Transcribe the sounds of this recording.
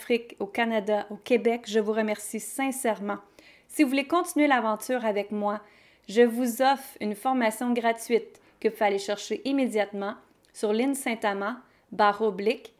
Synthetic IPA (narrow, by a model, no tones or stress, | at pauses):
fχikokanad̪aʔokʲebɛkʒəvuʁəmɛʁsisɛ̃sɛʁmɑ̃ | sivuvulekɔ̃t̪inɥelavɑ̃t̪yːʁavɛkmwa | ʒəvuzɔfʁynfɔʁmasjɔ̃ɡʁat̪ɥit̪̚ | kəvufaleʃɛʁʃeʔimed͡z̪jat̪mɑ̃ | syʁlɪnsɛ̃t̪amɑ̃ | baʁoblɪk